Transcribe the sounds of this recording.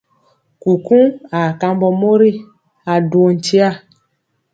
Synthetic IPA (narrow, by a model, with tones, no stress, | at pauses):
ku˨kũ˦a˨ka˧m˦bɔ˧mo˦ɾi˦ | a˨du˨o˨n̩˨t͡ʃi˦a˦˨